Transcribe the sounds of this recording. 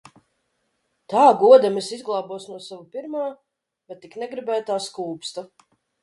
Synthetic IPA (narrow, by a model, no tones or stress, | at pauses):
t̪aːɡuɔd̪ɛmɛsizɡlˠaːbuɔsnuɔsavupiɾmaː | bɛt̪ːiknɛɡɾibæːt̪aːskuːpst̪ɐ